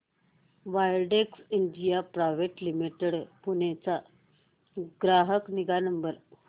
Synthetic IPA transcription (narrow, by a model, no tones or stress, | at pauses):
ʋajlɖeksindijapɾaʋeʈlimiʈeɽpunet͡sa | ɡɾaɦəkniɡanəmbəɾ